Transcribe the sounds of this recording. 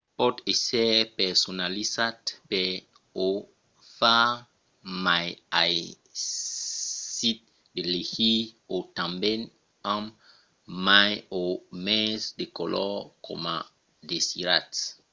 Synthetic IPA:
pɔtesɛpɛsonalisatpe | o | fa | majaj | sit̚ | delehiotãmbɛn | ãm | majomɛsdekolʔɔko̰ma | desiɾat

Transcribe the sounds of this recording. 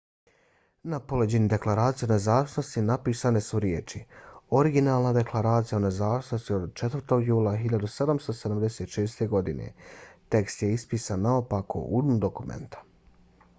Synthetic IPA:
napoled͡ʑenid̪e̞klˠaɾaːt̪sionezaːʋisno̞st̪inapiːsane̞suɾjeːt͡ʃio̞ɾiɡinaːlˠnad̪e̞klˠaɾaːt̪sijaonezaːʋisno̞st̪io̞d̪t͡ʃet̪ʋəɾt̪o̞ɡjuːlˠaɦiʎad̪use̞d̪amst̪o̞sed̪amd̪e̞seːt̪ʃeːsɾt̪e̞ɡo̞d̪inḛt̪e̞kst̪je̞ispiːsanːaopako̰ʔṵd̪mud̪o̞kumḛnt̪ḁ

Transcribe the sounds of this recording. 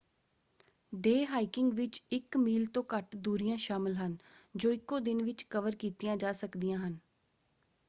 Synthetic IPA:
ɖeːɦaːɪkɪŋɡʋɪt͡ʃɪkmiːlt̪õːkəʈd̪uːɾijãːʃaːmɪlɦənd͡ʒoːɪkːõːd̪ɪnʋɪt͡ʃkəʋəɾkiːt̪ijãːd͡ʒaːsəkd̪ijãːɦən

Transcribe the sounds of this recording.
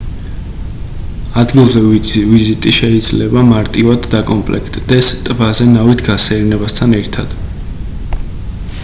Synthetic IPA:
ad̪ɡilˠzɛvizit̪ʼiʃɛid̪z̥lɛbamaɾt̪ʼivad̪ːakʼɔmpʼlɛ̰kʰt̪ʼd̪̥ɛst̪ʼbazɛnavit̪ʰɡasɛɾnɛbast̪ʰanɛɾt̪ʰad̪̥

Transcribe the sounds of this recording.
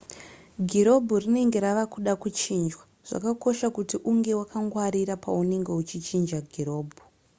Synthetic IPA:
ɡʱiɾo̞bʱurine̞ŋɡe̞ɾaʋakuɗakut͡ʃiːnd͡ʒwa | ʐ̥a̰kako̞ʃakutiʔuŋɡe̞wakaŋɡwaɾiɾapaune̞ŋɡe̞ut͡ʃit͡ʃind͡ʒaɡʱiɾo̞ːbʱu

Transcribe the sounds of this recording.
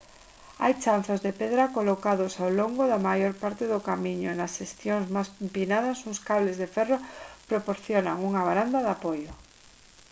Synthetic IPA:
a̰jt͡ʃanθozðepeðɾakolokaðosawloŋɡoðamajoɾpaɾt̪eðʊkamiɲʊ̰nasʃest̪joŋzmasmpinaðasuŋskaβlezðefɛropɾopoɾθjonaŋuŋaβaɾand̪aðapojo

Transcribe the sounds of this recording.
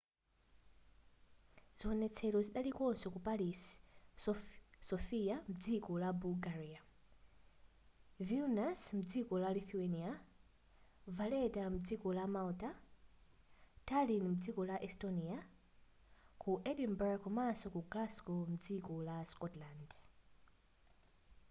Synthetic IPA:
z̥iwɔnɛt͡sʰɛlɔziɗalikɔnsɔkupalis | sɔfiamud͡zikɔlabulɡaɾia | vilnasmud͡zikɔlaliθuenia | valɛtamud͡zikɔlamalta | tʰalinm̩ud͡zikɔlaʔɛstɔnia | kʰuʔɛlimbaɹkɔmasɔkuɡlaskɔmud͡zikɔlaskɔtland

